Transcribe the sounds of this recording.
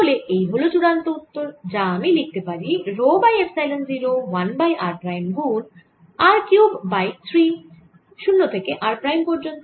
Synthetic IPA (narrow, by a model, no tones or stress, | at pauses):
t̪oleʔejɦolot͡ɕuɽant̪out̪ːoɾd͡ʑaamilik̚t̪epaɾiɾobajefsajlenziɾowanbajʔaɾpɾajmɡun | aɾkjubːajt̪ʰɾi | ʃunːot̪ʰekeʔaɾpɾajmpɔɾd͡ʑont̪o